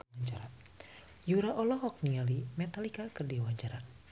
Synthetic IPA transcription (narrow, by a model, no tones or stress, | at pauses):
aɲd͡ʒaɾa | juɾaʔɔlɔɦɔk̚nialimɛt̪alikakərdiwaɲd͡ʒaɾa